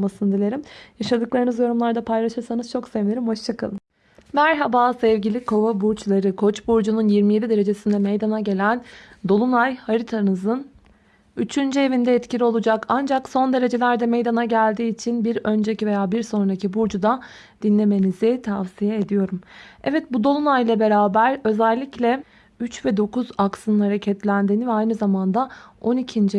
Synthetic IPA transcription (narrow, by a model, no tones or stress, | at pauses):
masɯnd̪ilʲe̞ɾimjaʃad̪ɯklˠaɾɯnɯzjo̞ɾumlˠaɾd̪apʰajlˠaʃɯɾsanɯz̥t͡ʃʰo̞ksevnʲeɾimho̞ʃt͡ʃʰakʰa̰lˠɯm | mæɾɦabaːsɛvɟilʲikʰo̞vabuɾt͡ʃlˠaɾɯkʰo̞t͡ʃbuɾd͡ʒununjiɾmije̞d̪id̪e̞ɾe̞d͡ʒe̞sind̪ɛmejd̪anaɟe̞lʲænd̪o̞lˠumajhaɾit̪ʰanɯzɯn | yt͡ʃʰynd͡ʒie̞vind̪ɛɛt̪cʰilʲio̞lˠud͡ʒakʰand͡ʒakso̞nd̪e̞ɾe̞d͡ʒe̞lʲæɾd̪ɛmejd̪anaɟælʲd̪iːt͡ʃʰinbiɾø̞nd͡ʒecive̞jaːbiɾso̞nɾacibuɾd͡ʒud̪a | d̪̥inlʲe̞me̞nizɪt̪ʰafsijɛed̪ijo̞ɾumɛvɛt̪̚bud̪o̞lˠunajlˠabe̞ɾaːbæɾø̞zælʲːiclʲɛ | yt͡ʃvɛd̪o̞kuzaksɯnɯnhaɾecʰɛt̪lʲænd̪iːnivɛajnɯzamand̪ao̞nicʰind͡ʒ